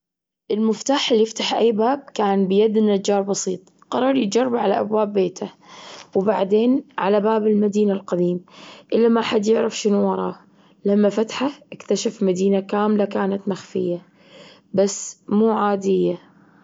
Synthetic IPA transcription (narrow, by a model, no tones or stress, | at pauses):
ʔɪlmʊft̪aːħɪlːijɪft̪aħʔajːbaːb̚kaːnbɪjad̪nːad͡ʒːɑːɾˤbɑsiːt̪ˤ | qɑɾˤɑːɾˤjɪd͡ʒɑrˤːɑbʕala̰ʔa̰bwaːbːeːt̪ʰawbaʕd̪eːnʕalabaːbɪlmad̪iːnalqad̪iːmʔɪlːamaʔħad̪jɪʕɾɪfʃɪnuwɑɾˤɑ̰ː | lamːafat̪ħaʔɪkt̪aʃafmad̪iːnakaːmlakaːnat̪maxfɪjːa | basːmuːʕaːd̪ɪjːa